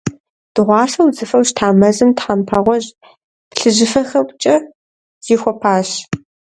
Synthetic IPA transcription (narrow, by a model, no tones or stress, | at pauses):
d̥ɨʁʷɑːʂɐwzɨfɐwʃtʰaːmɐzɨmtħampʰɐʁʷɔʒ | pɬɨʒɪfɐxɐwʷʼt͡ʃʼɐ | z̥iːxʷɔpʰaːɕ